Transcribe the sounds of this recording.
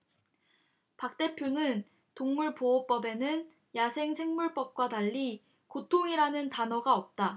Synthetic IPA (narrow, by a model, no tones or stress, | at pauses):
pak̚t͈e̞pʰjonɯn | toŋmuɭpoop͈ʌbe̞nɯn | jasʰe̞ŋsʰe̞ŋmuɭp͈ʌp̚k͈wataʎːi | kotʰoŋiɾanɯntanʌɡaʌp̚t͈a